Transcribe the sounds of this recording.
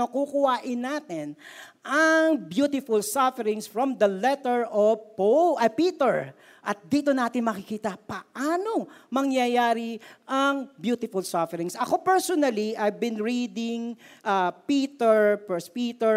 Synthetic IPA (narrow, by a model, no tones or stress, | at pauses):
okukʊhaːʔɪnːaːt̪ɪn | ʔɐŋbjuːt̪ɪfʊlsafɛɾɪ̃ŋsfɹɔmd̪ɐlɛt̪ɛɹʔɔpoʔɐpiːt̪ɛɹ | ʔɐt̪̚d̪iːt̪onaːt̪ɪnmɐkɪkiːt̪ɐpɐʔaːno̞mɐŋjɐjaːɾɪʔɐŋbjuːt̪ɪfʊlsafɛɾɪŋsɐko̞pɛɹsonɐliʔajvbɪnɹiːd̪ɪŋʔapiːt̪ɛɹpɛspit̪ɛ